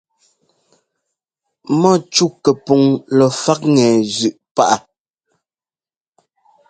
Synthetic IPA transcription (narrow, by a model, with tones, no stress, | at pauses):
mɔ˦˨t͡ʃu˦˨kɛ˨pu˨ŋlɔ˨fa˦k̚ŋɛ˨zʉ˨ʔpa˦˨ʔa˨